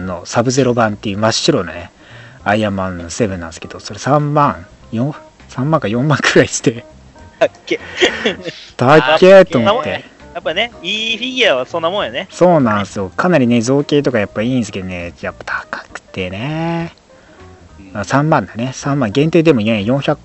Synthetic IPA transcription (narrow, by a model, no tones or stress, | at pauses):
nːo̞sabɯ̟ze̞ɾo̞bãnt̪ːe̞jɯ̟maɕɨɾo̞no̰ne | aiamãnːose̞bɯ̟̃nːã̰nsɨ̥ke̞d̪̥o̞so̞ɾesãmːãŋ | jõ | sãmːãŋkajõ̞mːãŋkɯ̟ɾaisi̥t̪e | k | t̪akʲːet̪o̞ːmot̪ːe̞ | japːaneiɸʲiɡʲiaβasõnːamõjoneso̞ːnãñsɨjo̞kʰanaɾʲine̞zo̞ːke̞ːt̪o̞kajapːaĩːnsɨ̥ke̞d̪o̞nejapːḁt̪ʰḁkḁkɯ̟̥t̪e̞ne | asãmːãnd̪ane̞sãmːãŋɡẽ̞nt̪eid̪e̞mo̞jejõ̞ɰ̃çak